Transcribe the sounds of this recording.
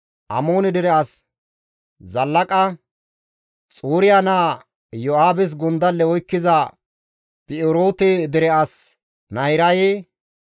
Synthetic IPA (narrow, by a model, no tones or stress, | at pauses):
ʔɐ̰moːnɪd̪ɪɾɛɐs | zɐlːɐkʼɐ | t͡sʼuːɾɪjanaː | jɔaːbɪs̬ɡʊnd̪ɐlːɛɔjkːɪzɐ | pʼɪɪɾoːt̪ɛd̪ɪɾɛʔɐs | nɐjɾɐjeː